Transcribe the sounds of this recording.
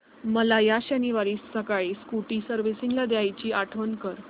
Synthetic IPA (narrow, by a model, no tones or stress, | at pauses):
məlajaɕaniʋaɾiːsəkaɭiːskuʈiːsəɾʋisiŋɡlad̪eajt͡ɕiːʔaʈʰʋənkəɾ